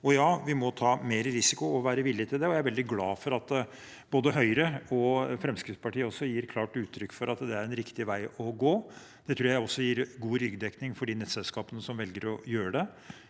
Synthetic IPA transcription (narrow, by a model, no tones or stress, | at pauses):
ɔjɑːʋɪmɔt̪ʰɑːmeːɾəɾɪsɪkʊɔʋæːɾəʋɪljət̪ʰɪld̪ɛɔjæɪæɾʋɛld̪ɪɡlɑːfɔɾɑt̪ː | b̥oːd̪əɦœʏɾəɔfɾɛmskɾɪfspʰɑʈiːəɔsːɔjiːɾkʰlɑːʈʉːt̪ʰːɾʏkːfɔɾɑt̪d̪ɛæɾɛnɾɪkt̪ɪʋæɪɔɡoː | d̪̥ɛt̪ʰɾuːjæɪɔsːɔjiːɾɡuːɾʏɡd̪ɛknɪŋfɔɖiːnɛt̪sɛlskɑːpənəsɔmʋɛlɡəɾɔjøːɾəɖ̪ɛ